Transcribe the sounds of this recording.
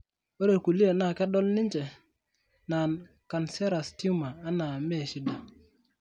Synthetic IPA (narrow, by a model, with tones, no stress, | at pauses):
o˦ɾe˨ku˨li˦e˨na˨ke˦ɗo˦lni˦nt͡ʃe˨ | na˨n | ka˨nse˦ɾa˨sti˦maː˨˦na˨me˦˨ʃi˦da˨